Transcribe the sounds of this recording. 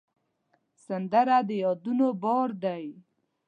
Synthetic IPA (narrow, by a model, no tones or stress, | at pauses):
sand̪əɾad̪əjɑd̪unobɔɾd̪aj